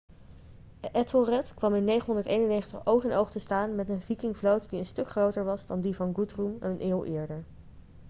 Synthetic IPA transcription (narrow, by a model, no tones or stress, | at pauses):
ʔɛtolˠrɛtkʋɑmɪnːejχənɦɔndəɹtejnənːejχəntəχʔowkənʔowχtəstaːnmɛtənvikɪŋvlowtdiənstɵkχrowtəɹʋɑzdɑndivɑnɡutrumɛnənʔɪːlˠʔɪːɹdəɹ